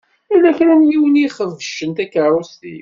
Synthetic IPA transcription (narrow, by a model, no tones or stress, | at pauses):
ilːæçɾæmjiwəniχəvːəʃənt̪ækːəɾˤust̪ḭ